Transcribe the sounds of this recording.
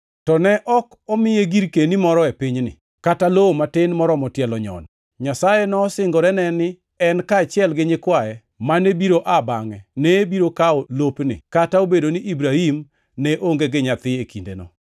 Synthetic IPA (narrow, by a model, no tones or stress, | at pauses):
tɔnɛʔɔk | ɔmɪjeɡiɾkenimɔɾɔepɪɲnɪ̰ | kataloomatɪnmɔɾɔmɔtjɛlɔɲɔ̰n | ɲasajɛnɔsɪŋɡɔɾɛnɛnɪ | ɛnkaːt͡ʃɪɛlɡɪɲɪkwaɛ | manebiɾoʔabaŋɛnɛbiɾokaɔlopnɪ̰kataobedonɪʔibɾahim | nɛʔoŋɡeɡɪɲat̪ɪekindḛnɔ̰